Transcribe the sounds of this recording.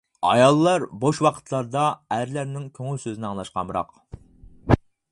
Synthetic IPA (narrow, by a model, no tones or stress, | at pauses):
ɑ̰jɑlˠːɑɾboʃwɑqʰə̥t̪ʰlˠɑɾd̪ɑæɾlæɾnɪŋkʲʰøŋylʲsøzinɪɑŋlˠɑʃqɑ̰mɾɑ̰q